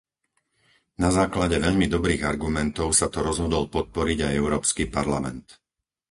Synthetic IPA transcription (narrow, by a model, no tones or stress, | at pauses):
nazaːklaɟɛʋɛʎmid̪ɔbɾiːɣaɾɡumɛnt̪ɔʊsat̪ɔɾɔzɦɔd̪ɔlpɔt̪̚pɔɾiɟajɛʊɾɔːpskipaɾlamɛ̰nt̪